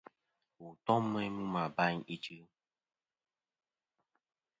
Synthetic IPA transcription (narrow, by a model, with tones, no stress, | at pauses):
wu˨tɔ˦mːɛ˦mũ˦ma˨ba˦ɲi˦t͡ʃi˦